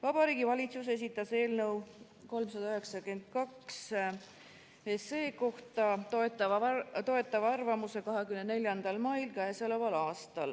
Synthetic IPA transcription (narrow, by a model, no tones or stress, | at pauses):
vɑb̥ɑɾiːɡivɑlʲit̪suse̞s̬it̪ːˑɑse̞ːlnɤ̞w | ko̞lmsɑd̪ɑyɦe̞ksɑkend̪̥̚kɑks | ese̞ːko̞ht̪ɑt̪oet̪ːˑɑvt̪o̞e̞t̪ːˑɑvɑrvɑmuse̞kɑɦe̞kymnne̞lʲjɑnd̪̥ɑlmɑjlkæesolevɑlɑːst̪ɑl